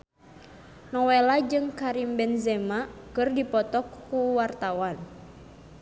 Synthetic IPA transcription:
nɔwelad͡ʒɨŋkaɾimbɛnzɛmakɨrdipɔt̪ɔkːuwart̪awan

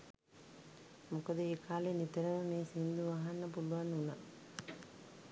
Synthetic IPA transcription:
mɔkɐd̪eekʰaːlenit̪ɐɾɐnuneːsind̪uʋaːɦɐnɐpuluʋanuna̰

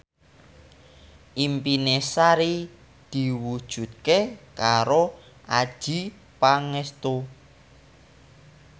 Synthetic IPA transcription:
ʔimpinesaɾi | d̪̥i̤wud̥ʒ̥ṳt̪̚kekaɾo | ad̥ʒ̥i | paŋɛst̪o

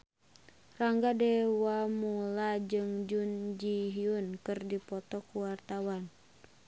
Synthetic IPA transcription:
raŋɡadɛwamulad͡ʒɨŋd͡ʒund͡ʒiɦiunkɨrdipɔt̪ɔkuwart̪awan

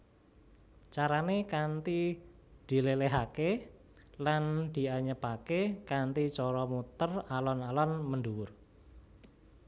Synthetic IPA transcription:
t͡ʃaɾanekant̪i | d̪̥i̤leleɦake | land̪̥i̤aɲəpakekant̪it͡ʃɔɾɔmut̪əralɔnalɔnmənduwʊr

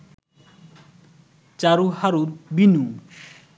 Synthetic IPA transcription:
t͡ʃaɾuhaɾuɾbinu

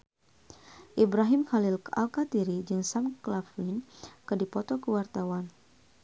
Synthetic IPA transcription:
ʔibɾaɦimxalila̰lkat̪iɾid͡ʒɨŋsamklaflinkədipɔt̪ɔkəwart̪awan

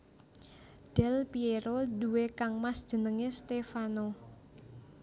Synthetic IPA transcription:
ɖ̥ɛ̤lpieɾodṳwekaŋmasd̥ʒ̥ə̤nəŋest̪efano

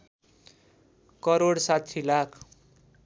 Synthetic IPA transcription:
kʌɾoɽsat̪ʰːilakʰ

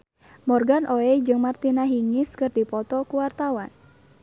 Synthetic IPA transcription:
mɔrɡanʔoɛd͡ʒɨŋmart̪inaɦiŋɪskɨrdipɔt̪ɔkuwart̪awan

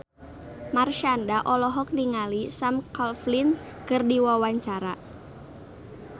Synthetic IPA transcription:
marʃandaʔɔlɔɦɔk̚niŋalisamkalflin | kɨrdiwawaɲt͡ʃaɾa

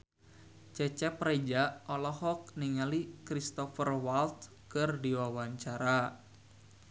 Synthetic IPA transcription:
t͡ʃɛt͡ʃɛpɾed͡ʒaɔlɔhɔk̚niŋalikɾist̪ɔfərwalt̪̚ | kɨrdiwawaɲt͡ʃaɾa

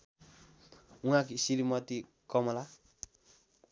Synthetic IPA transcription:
ũakisiɾimɔti | kɔmɔla

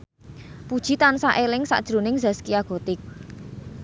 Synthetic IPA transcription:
pud̥ʒ̥i̤t̪ansa̰ʔelɪŋsa̰ʔd̥ʒ̥ɾṳnɪŋza̤skiaɡ̥o̤t̪ɪk̚

